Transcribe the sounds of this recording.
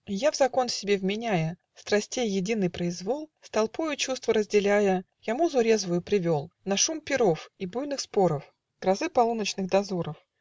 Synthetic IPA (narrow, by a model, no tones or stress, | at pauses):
javzɐko̞nfsʲɪbʲevmʲɪnʲæjə | st̪ɾɐsʲtʲejːɪdʲin̪ɨjpɾəɪzvo̞lˠst̪ɐlˠpujʊt͡ɕust̪vəɾəzʲdʲɪlʲæjə | jamuzʊɾʲe̞zvʊjʊpɾʲɪvʲo̞lˠnɐʂumpʲɪɾo̞fibujnɨxspo̞ɾəf | ɡ̥ɾɐzɨpɐlˠunət͡ɕnɨxd̪ɐzuɾəf